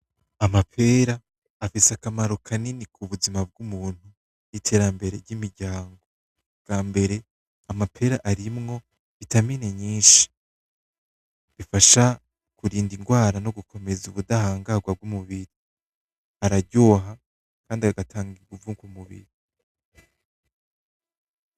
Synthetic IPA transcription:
amapʰe̞ːɾaː | fisakamaɾo̞kʰaninikʰuβuzimab̚ɡumuːn̥hu | nitʰe̞ɾambe̞ɾe̞ɾɟimiɾɟaːŋɡo̞ | bɡ̥aːmbe̞ɾe̞ | amapʰe̞ːɾaʔaɾimŋo̞ | βitamineɲiːnʃi̥ | βifaʃa | kuɾiːndiŋɡwaːɾano̞ɡukʰo̞me̞zuβudahaːŋɡaɡwab̚ɡumuβiɾi | aɾaɾɟo̞ːɦa | kaːndiaɡatʰaːŋɡiɡuvuːŋkwumuβḭɾi

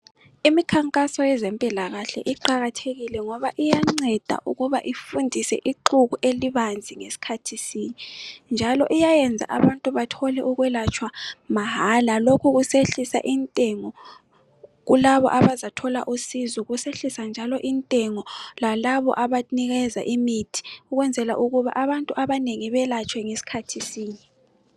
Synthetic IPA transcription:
imikʰaŋkʼasɔjɛzempʼilaɣaɬɛ̰ʔiǃaɣatʰeɣilɛŋɔβaʔijaŋ͡ǀɛd̥ʱa̰ʔṵɣuβaʔifundʱisɛ̰ʔiǃuɣuʔeliβand͡zʱiŋesi̥kʰatʰisiːnind͡ʒʱalɔʔijajɛnd͡zʱa̰ʔaβantʼuβatʰɔlɛʔuɣwɛlat͡ʃʰʼwamaɦalalokʰuɣuseɬisa̰ʔintʼɛŋɔ | ɣulaβɔ̰ʔaβazatʰɔla̰ʔusizɔɣuseɬisand͡ʒʱalɔʔintʼɛŋɔlalaβɔ̰ʔaβaniɣɛza̰ʔimitʰi̥uɣwɛnd͡zʱɛla̰ʔuɣuβa̰ʔaβantʼuʔaβaneŋiβɛlat͡ʃʰʼwɛŋesi̥kʰatʰisiːni

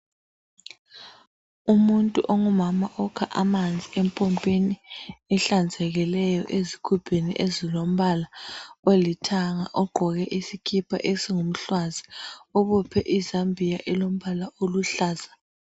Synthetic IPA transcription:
umuntʼuʔoŋumamaʔɔkʰaʔamand͡zʱiempʼɔmpʼeniɛɬand͡zʱɛɣɛlɛjɔʔezikʰupʰenḭʔezilom̩βalawelitʰaŋaʔɔɡ͡ǃʱɔɣɛʔisikʰipʰa̰ʔesiŋum̩ɬwaziɔβɔpʰɛʔizambʱijaʔɛlom̩βalaoluɬaːz̥a

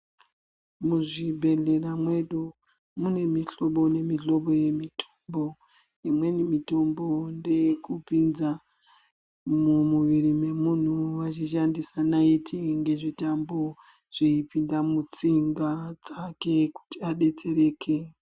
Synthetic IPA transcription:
muʐibʱe̞ɮe̞ramwe̞ɗu | mune̞miɬo̞ɓo̞ne̞miɬo̞ɓo̞je̞mitʰo̥mbo̞ | imwe̞nimito̞mbo̞nde̞kupinza | mumuʋiɾime̞mun̤uʋat͡ʃiʃandisanaitʰiŋɡe̞ʐitambo̞ | ʐ̥eipindamut͡siŋɡad͡zake̞ku̥tiaɗe̞t͡se̞ɾe̞ːkʰe̞

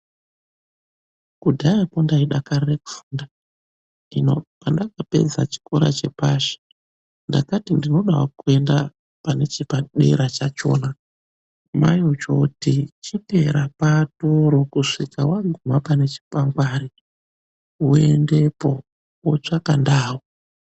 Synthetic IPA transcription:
kudʱajapo̞ndaiɗakarireku̥fuːnda | nino̰pandakape̞̰d͡za̰t͡ʃi̥ko̞ɾa̰t͡ʃe̞paʃi̥ | ndakatindino̞ɗawakue̞nda | pane̞t͡ʃipaɗe̞̰ɾat͡ʃat͡ʃo̰ːna | majot͡ʃotit͡ʃipe̞ɾapatoɾo̞kuʂikawaɡʱumapane̞t͡ʃi̥paŋɡwaːɾi | wende̞po̞ | wot͡ʂakandaːwo

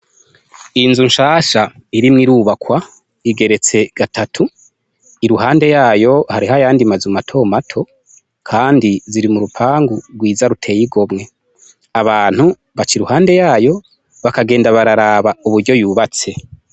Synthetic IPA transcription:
inzunʃaːʃaiɾimŋiɾuβakwa | iɡe̞ɾe̞t͡se̞ɡ̥atʰatʰu | iɾuɦaːnde̞jaːjo̞haɾihajaːndimazumatʰo̞ːmatʰo̞ | kʰaːndiziɾimuɾupʰaːŋɡuɾɡwiːzaɾutʰe̞ːjiɡo̞mŋe̞ | aβaːn̥hu | βat͡ʃiɾuhaːnde̞jaːjo̞ | βakaɡeːndaβaɾaɾaβauβuɾɟo̞juːβat͡se̞

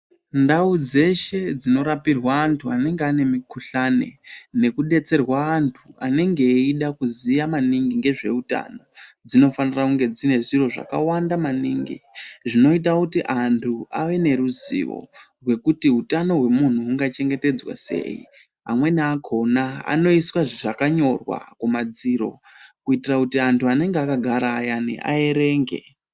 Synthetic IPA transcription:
ndaud͡ze̞ʃe̞d͡zino̞ɾapirwaːntʰuane̞ŋɡeane̞mikuɬane̞̰ne̞kuɗe̞t͡se̞rwaantʰua̰ne̞ŋɡe̞ːiɗakuzijamaniŋɡiŋɡe̞ʐe̞̰uta̰no̞d͡zino̞fanirakuŋɡe̞d͡zine̞ʐiro̞ʐa̰ka̰wandamanḭŋɡḭʐino̞it̬akutiʔantʰuaʋe̞ne̞ɾuzḭʋo̰rwe̞kutiɦutano̞ɦwe̞mun̤uːŋɡat͡ʃe̞ŋɡe̞te̞d͡zwa̰se̞̰i | a̰mwe̞neakʰo̞naa̰no̞iswaʐiʐakaɲo̞rwa̰kumad͡ziɾo̞̰ | kuitirakutiantʰuane̞ŋɡeakaɡʱaɾaːjanḭʔa̰e̞ɾe̞ːŋɡḛ

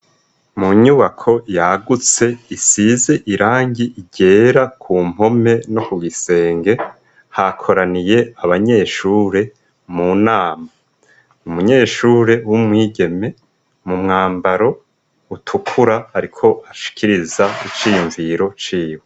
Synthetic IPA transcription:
muɲuβakʰo̞jaɡut͡se̞isize̞ʔiɾaːɲɡiiɟe̞ːɾakʰuːm̥ho̞me̞nokuɡise̞ːŋɡe̞ | hakʰo̞ɾanije̞aβaɲe̞ːʃuːɾe̞ | munaːma | umuɲe̞ːʃuːɾe̞wumŋiːɟe̞me̞ | mumŋaːmbaɾo̞ | utʰukʰuɾahaɾikʰo̞ʔaʃi̥kʰiɾizait͡ʃiːjuɱviɾo̞t͡ʃiːwe

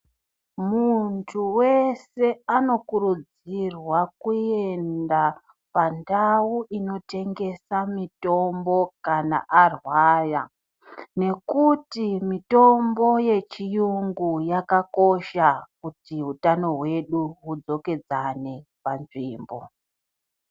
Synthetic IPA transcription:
muntʰuwe̞se̞ano̞kuɾud͡z | irwakue̞nda | pandawuʔino̞te̞ŋɡe̞samito̞mbo̞kana̰ʔarwaja̰ | ne̞kutimito̞mbo̞je̞t͡ʃijuŋɡujakako̞ʃakutiɦutano̞ɦwe̞ɗuɦud͡zo̞ke̞d͡zane̞panʐiːmbo̞̰

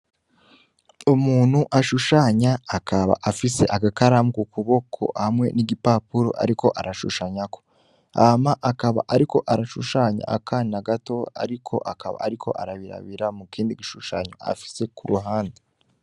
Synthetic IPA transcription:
umuːn̥huʔaʃuʃaːɲaːkaβa̰ʔafise̞ʔaɡakaɾamɡukuβo̞kʰo̞hamŋe̞̰niɡipapuɾo̰ʔa̰ɾiko̞ʔaɾaʃṵʃaɲako̞̥ | amaʔakaβa̰ʔaɾiko̞ʔaɾaʃuʃaːɲa̰ʔakʰaːnaɡato̞a̰ɾikʰo̞̰ʔakaβa̰ːɾikʰo̞̰ʔaɾaβiɾa̰βiɾamukiːndiɡiʃuʃaɲo̰a̰fi̥se̞kuɾuɦaːnde

